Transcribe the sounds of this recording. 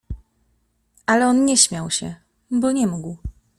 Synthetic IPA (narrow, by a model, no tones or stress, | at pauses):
alɛɔnɲɛɕmʲjawɕɛ̰ | bɔɲɛmuɡw